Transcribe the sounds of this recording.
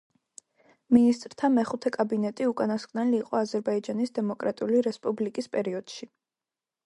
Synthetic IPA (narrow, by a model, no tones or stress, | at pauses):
minist̪ʼɾt̪ʰamɛχut̪ʰɛkʼabinɛt̪ʼiukʼanaskʼnɛliːqʼɔazɛɾbaid͡ʒanisd̪ɛmɔkʼɾat̪ʼiuliɾɛspʼublikʼispʼɛɾiɔd̪̥ʃi